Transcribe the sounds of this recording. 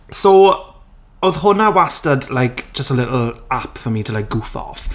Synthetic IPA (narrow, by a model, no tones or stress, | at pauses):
so | oðhʊnawastədlajkd̥d͡ʒ̥əstəlɪʔl̩ˠapfəmiːtʰəlajk̚ɡ̥ʊθɔ̰f